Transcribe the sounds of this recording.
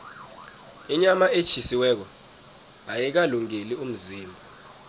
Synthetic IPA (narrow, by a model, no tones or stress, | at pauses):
iɲamaʔe̥t͡ʃʰisiwɛːk̬ɔ | ajik̬aluŋilium̩ziːmbʱɔ